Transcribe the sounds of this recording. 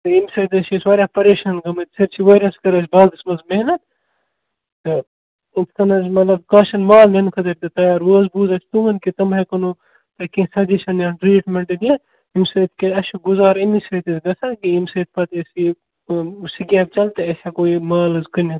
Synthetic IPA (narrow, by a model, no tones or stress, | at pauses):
t̪ɐimsɐt̪ɐʃisʋɐːɾʲapɐɾeʃɐnɡɐmɐt̪ʲsɐɾt͡ʃʰiʋɐːɾʲɐskɐɾɐsʲbaːɨsmɐzmeɦnɐt̪ | t̪ɐ | it̪ʰkɐnɐzmɐt̪lɐbkaːʃɐnmaːlnenkʰɐt̪ɐɾʲt̪ɐt̪ɐjaːɾwəːzbuːzɐsʰʲt̪umɐnket̪ɐmʱɐkɐno | t̪ɐkĩːsɐd͡ʒeʃɐnjaːʈɾiːʈmeɳʈɐd̪ʲjɐ | imsɐt̪ʰkeɐʃɐɡuzaːɾinisɐːt̪ɐzɡɐsɐnkiimsɐːt̪̚ʰpɐt̪esi | siɡʲeːb̚t͡ʃɐlt̪eɐʃakoːimaːlɐzkɐnʲɐ